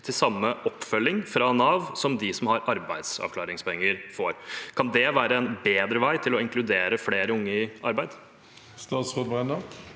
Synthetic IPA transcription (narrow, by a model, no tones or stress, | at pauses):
t̪ʰɪlsɑmːəʔɔpːfœlːɪŋfɾɑnɑːʋsɔmd̪ɪsɔmhɑɾɑɾbæɪd̪sɑ̰ʋkʰlɑːɾɪŋspʰɔɛŋːəɾfoːɾkʰɑnd̪ɛʋæːɾəɛnbeːd̪ɾəʋæɪt̪ʰɪlɔɪŋkʰlʉd̪eːɾəfleːɾəʊŋːəɪʔɑɾbæɪd̪ | st̪ɑːt̪sfɔd̪bɛnɑ